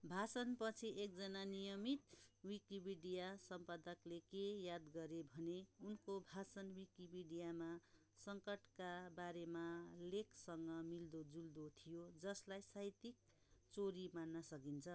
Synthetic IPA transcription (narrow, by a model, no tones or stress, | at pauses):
bʱasʌnpʌt͡sʰiʔek̚d͡zʌnanijʌmit̪wikibiɖijasʌmpad̪ʌklekejad̪ɡʌɾebʱʌneunkobʱasʌnwikibiɖijama | sʌŋkʌʈkabaɾemalekʰsʌŋɡʌmild̪od͡zuld̪ot̪ʰijod͡zʌslajsajt̪ik̚ | t͡soɾimanːʌsʌkint͡sʰʌ